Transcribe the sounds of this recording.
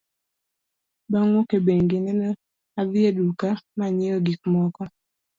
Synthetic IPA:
baŋwokebeŋɡɪnɛnɔ | abɪedukamaɲɛɔɡik̚mɔkɔ

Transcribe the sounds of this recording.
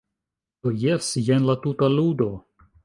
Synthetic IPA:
d̥ojesjenlatutaludo̞

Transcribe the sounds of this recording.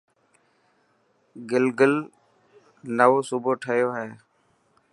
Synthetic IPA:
ɡɪlɡəl | nəʋoːsuːboːʈʰəɦjoːɦɛː

